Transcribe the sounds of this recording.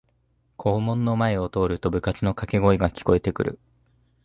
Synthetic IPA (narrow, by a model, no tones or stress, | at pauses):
kʰo̞ːmõ̞nːo̞maeo̞t̪o̞ːɾɯ̟t̪o̞bɯ̟kat͡sɨno̞kake̞ɡo̞iɡakʲi̥ko̞e̞t̪e̞kɯ̟ɾɯ̟̰